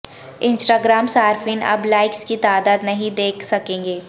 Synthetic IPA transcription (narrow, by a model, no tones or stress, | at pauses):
ɪ̃nsʈaːɡɾaːmsaːɾfɪ̃nɐ̰blaːɪkskit̪aːd̪aːd̪nɐɦĩd̪eːkʰsɐkẽːŋɡeː